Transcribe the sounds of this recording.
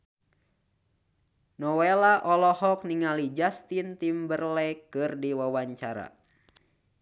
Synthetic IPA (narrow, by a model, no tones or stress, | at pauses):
nɔwelaʔɔlɔhɔk̚niŋalid͡ʒast̪int̪imbərlɛkɨrdiwawaɲt͡ʃaɾa̰